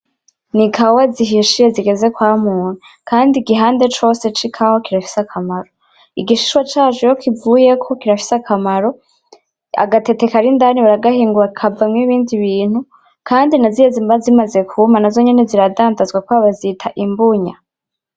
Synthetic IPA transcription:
nikʰawaziɦiʃije̞ziɡe̞ze̞kwaːmuːnu | kaːndiɡiɦaːnde̞t͡ʃo̞ːse̞t͡ʃikʰawakiɾafi̥sakʰamaɾo̞ | iɡiʃiʃwat͡ʃaːʒujo̞kʰivuːje̞kʰo̞kiɾafi̥sakʰamaɾo̞ | a̰ɡate̞te̞kaɾindaniβaɾaɡahiːŋɡuɾakʰavamŋiβiːndiβiːn̥hu | kʰaːndinazijezimbazimaze̞kʰumanazo̞ɲe̞ne̞ziɾadaːndazɡwakwaβazitʰaʔimbuɲa

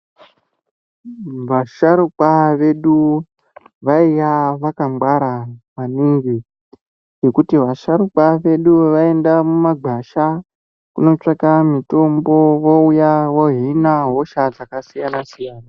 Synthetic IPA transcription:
ʋaʃaɾukaʋe̞ɗu | ʋaijaʋakambwaɾamaniŋɡi | d͡ʒe̞kutiʋaʃaɾukwaʋe̞ɗuʋae̞ndamumaɡ͡bʱaʃa | kuno̞t͡ʂakamito̞mbo̞ʋo̞ujaʋo̞ɦinaɦo̞ʃad͡zakasijanasijaːna

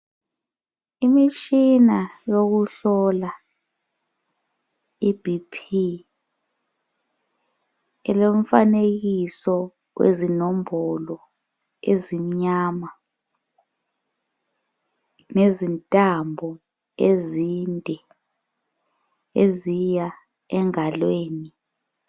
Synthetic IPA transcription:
imit͡ʃʼinajoɣuɬɔla | ibʱipʰi | ɛlom̩faneɣisɔ | wḛzinom̩bɔlɔ | ezimɲaːma | nezintʼambʱɔ | ezindʱɛ | ezija | ɛŋalweːni

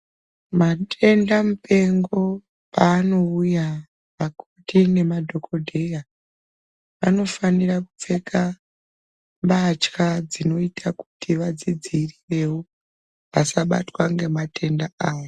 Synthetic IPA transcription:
matʰe̞ndamupe̞ŋɡo̞ | paːno̞uja | ʋakutine̞madʱo̞kʰo̞dʱe̞ja | ʋano̞faniraku̥p͡fe̞kʰa | mbat͡ʃkad͡zino̞itʰaku̥tʰiʋad͡zid͡zirire̞wo | ʋasaɓa̰twaŋɡe̞matʰe̞ndaaːjo

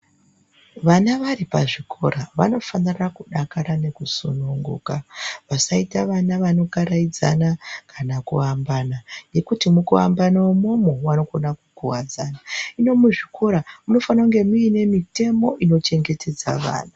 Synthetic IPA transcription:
ʋanaʋaripaʐikʰo̞̰raʋa̰no̞fanirakuɗakaɾane̞kuso̰nuŋɡṵkaʋasaitaʋanaʋano̞kaɾaid͡za̰nakʰanakuambanaje̞kutimukua̰mbanawomomowano̞ko̞nakukuwad͡zanaino̞muʐikʰo̞ɾamuno̞fanauŋɡe̞muine̞mite̞mo̞ʔino̞t͡ʃe̞ŋɡe̞tʰe̞d͡za̰ʋa̰ːna

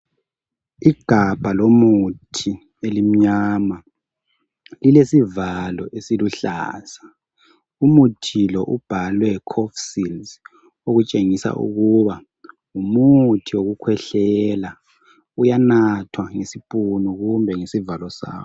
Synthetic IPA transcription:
iɡ̥ʱab̥ʱalomutʰi | elim̩ɲaːma | lilesivalɔ̰ʔesiluɬa̰ːsḁ | umutʰilɔʔub̥ʱalwɛkʰɔfsilz | oɣut͡ʃʼeŋisa̰ʔṵɣuβa | umutʰioɣukʰwɛɬɛla | ujanatʰwaŋesipʼunuɣumbʱɛŋesivalɔsa̰ːwɔ

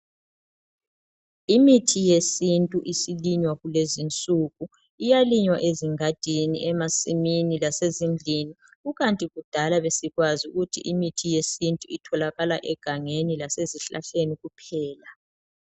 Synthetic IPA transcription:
imitʰijesintʼuʔisiliɲwaɣulezint͡sʼuɣu | ijaliɲwaʔeziŋad̥ʱinḭʔɛmasiminilasezind͡ɮʱini | uɣantʼiɣud̥ʱalaβesiɣwazuɣutʰḭʔimitʰijesintʼuitʰɔlaɣalaʔɛɡ̥ʱaŋenilaseziɬa̰ɬeniɣupʰɛːla

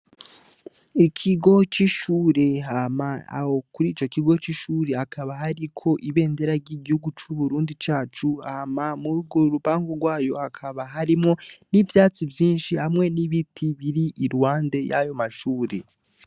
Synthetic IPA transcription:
ikʰiɡo̞t͡ʃiʃuːɾe̞ɦamaa̰hokuɾiːt͡ʃo̞kiɡo̞t͡ʃiʃuːɾe̞akʰaβaɦaɾikʰo̞ʔiβe̞ːnde̞ɾaɾɟiɟihuɡut͡ʃuβuɾuːndit͡ʃaːt͡ʃuahamamuɾuɡoɾupaːŋɡoɾɡwaːjo̞akʰaβaɦaɾimŋo̞nivjaːt͡sivjiːnʃihamŋe̞niβitʰiβiɾiʔiɾwaːnde̞ja̰jo̞maʃuːɾe̞

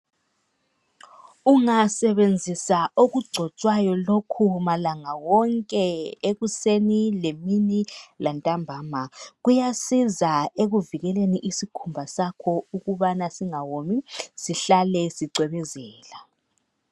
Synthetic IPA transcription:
uŋasɛβend͡zʱisaoɣuɡ͡ǀʱɔt͡ʃʼwajɔlokʰumalaŋawɔŋkʼɛeɣusenileminilantʼambʱaːmaɣujasizaeɣuviɣɛleniʔisikʰumbʱasakʰɔuɣuβanasiŋawomisiɬalɛsiǀwɛβɛzɛːla

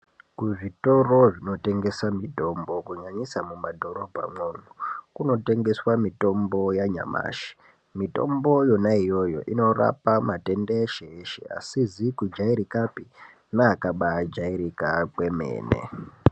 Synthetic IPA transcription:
kuʐito̞ro̞ʐino̞te̞ŋɡe̞samito̞mbo̞kuɲaɲisamumadʱo̞ɾo̞bʱa̰moːnokuno̞te̞ŋɡe̞swamito̞mbo̞jaɲa̰ma̰ːʃi̥ | mito̞̰mbo̞jo̞naijo̞jo̞̰ʔino̞ra̰pamate̞ndeeʃeːʃḛa̰sizikud͡ʒaiɾikapi | naːkaɓad͡ʒaiɾikakwe̞mḛːne̞̰

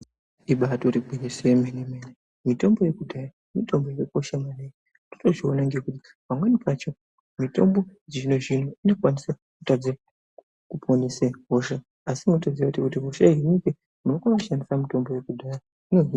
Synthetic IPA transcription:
iɓatoɾibʱinisemenemene | mito̞mbo̞je̞kudʱaja | mito̞mbo̞jeeko̞ʃamwanej | toto̞ʐio̞naŋɡe̞kuti | pamwanipat͡ʃo̞ | mito̞̰mbo̞d͡ʒino̞ʐinoino̞kwanisa | kutad͡za | kupʰo̞niseɦo̞ʃa | asimutod͡ziautikutiɦo̞ʃainike | munokaʋaʃandisamito̞mbo̞je̞kudʱaja | ino̞ɦi

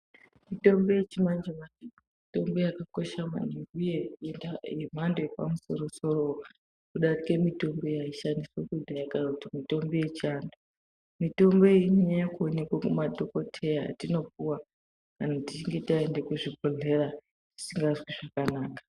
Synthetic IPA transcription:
mito̞mbo̞je̞t͡ʃimand͡ʒemai | mito̞mbo̞jakako̞ʃama̰neŋɡujeenajem̤andojepa̰muso̞ɾoso̞ro | kuɗarikemito̞mbo̞jaiʃandiswekudʱajakautimito̞mbo̞je̞t͡ʃiando | mito̞mbo̞eɲiɲajakuone̞kwakumadʱoko̞tʰe̞ja̰ːtino̞puwa | kanatit͡ʃiŋɡe̞tiaende̞kuʐibʱoɮe̞ra | ʐ̥i̥siŋɡazwiʐakanaːkḁ

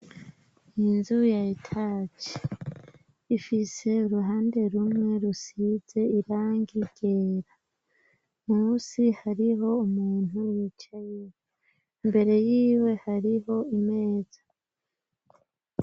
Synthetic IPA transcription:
inzujaitʰaːt͡ʃi̥ | ifise̞uɾuɦaːnde̞ɾumŋe̞ɾusize̞iɾaːŋɡiɡ̥eːɾa | musihaɾiɦo̞umuːn̥uwiːt͡ʃajije | mbe̞ɾe̞jiːwe̞haɾiho̞ime̞ːz̥a

